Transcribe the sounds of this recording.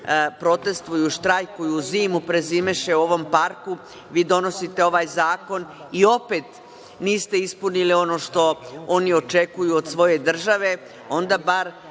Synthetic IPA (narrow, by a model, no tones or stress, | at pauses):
pɾo̞t̪e̞st̪ʋojuʃt̪ɾajkuiuziːmupɾe̞ziːmeʃe̞uo̞ʋo̞mpaɾku | ʋiːd̪o̞no̞sit̪e̞o̞ʋaːjzaːko̞n | io̞pe̞t̪ | niːst̪e̞ispunilio̞no̞ːʃt̪o̞o̞nio̞t͡ʃe̞kujuod̪̥sʋo̞je̞d̪r̩ʒaʋe̞ | o̞nd̪abaɾ